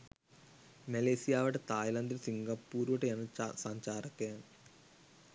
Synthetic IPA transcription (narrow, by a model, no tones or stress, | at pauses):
meleːsijaːʋɐʈet̪aːjlɐnd̪ɐɾsiŋɡɐpːuːɾʋɐʈeɐnsɐɲt͡ʃaːɾɐkːɐjaːn